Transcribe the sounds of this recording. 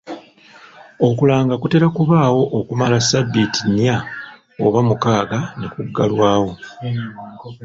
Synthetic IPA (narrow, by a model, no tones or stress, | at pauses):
okulaːŋɡakute̞ɾakuβaːwo̞ʔokumalasabːitinija | oβamukaːɡane̞kuɡːalwaːwo̞